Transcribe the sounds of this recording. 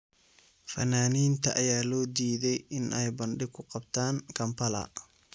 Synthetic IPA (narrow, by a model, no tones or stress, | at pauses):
fɐnaːniːnt̪ʰɐʔɐjaːlɔːd̪iːðɛjɪnʔɛjbɐnɖɪkʰʊqɑbt̪ʰaːŋkʰɐmpʰɐlɐ̰